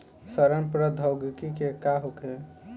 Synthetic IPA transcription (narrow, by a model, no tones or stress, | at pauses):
səɾəmpɾəd̪ʱoɡkikekaɦoke